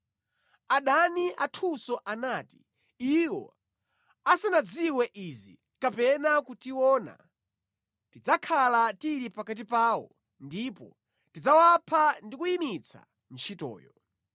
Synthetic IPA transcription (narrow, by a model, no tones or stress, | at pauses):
aɗaniʔatʰusɔʔanaːti̥ | iwɔ̰ | asanad͡ziwɛʔizḭ | kapɛnakutiwɔːna̰ | tid͡zakʰalatiɾipakat̬ipaːwɔ̰ | ndipɔ̰ | tid͡zawapʰandikujimit͡sʰa̰ | n̩t͡ʃʰitɔ̰ːjɔ̰